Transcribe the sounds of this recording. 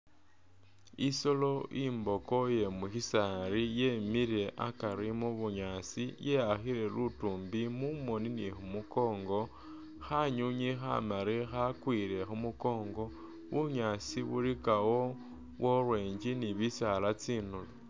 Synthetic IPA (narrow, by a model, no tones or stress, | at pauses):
iso̞lo̞ʔimbo̞koje̞muxisaɾijemiɾe̞ʔakaɾimuβuɲaːt͡sije̞jaxiɾe̞lutuːmbimumo̞ninixumuko̞ːŋɡo̞ | xaɲuɲixa̰maɾixakwile̞xumuko̞ːŋɡo̞ | βuɲat͡siβuɾikawo | βwʔorwe̞ːɲd͡ʒiniβisalat͡siːnulo